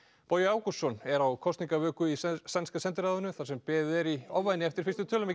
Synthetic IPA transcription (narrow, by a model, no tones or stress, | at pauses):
pɔːjʏaːwkusːɔnɛɾawkʰɔst̪niŋkavœːkʏisanskasɛnt̪ɪɾaːðʏnʏθasɛmpɛːðʏɛɾiɔvːajnɪɛft̪ɪɾ̥fɪst̪ʏt̪ʰœːlʏme